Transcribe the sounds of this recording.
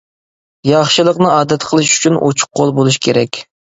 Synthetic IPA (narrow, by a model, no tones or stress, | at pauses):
jɑχʃɨlˠəqnɨɑːd̪ɛt̪qʰəlˠɨʃy̥t͡ʃʰynʔo̰t͡ʃʰʊ̥qʰːolˠbolˠuʃ̬kʲʰeɾɛkʲ